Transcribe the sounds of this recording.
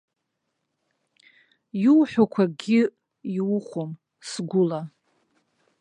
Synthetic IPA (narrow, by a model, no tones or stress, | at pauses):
juwħʷᶣakʷʰaɡʲɪ | iχʷom | sɡʷʊla